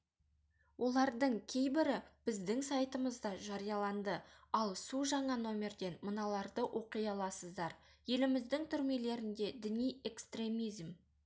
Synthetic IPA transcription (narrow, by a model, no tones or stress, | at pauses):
wʔo̞lˠɑɾd̪əɴkʲʰe̞jbɪɾɪb̥ɪzd̪ɪŋsɑjt̪əməzd̪ɑʒɑɾijɑlˠɑnd̪əɑlˠsuʒɑɴɑno̞mʲe̞rd̪e̞nmənɑlˠɑɾd̪əwʔo̞qijɑlˠɑsəzd̪ɑɾ | je̞lɪmɪzd̪ɪŋt̪ʰʏɾme̞le̞ɾɪnd̪e̞d̪ɪnije̞kst̪re̞mizm